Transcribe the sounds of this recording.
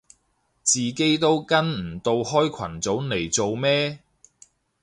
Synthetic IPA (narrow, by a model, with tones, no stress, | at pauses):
t͡siː˨ke˥jt̪o˥wkɐ˥nm̩˨˩t̪o˧whɔː˥jkʰɐ˨˩nt͡so˨˥wne˨˩jt͡so˨wmɛː˥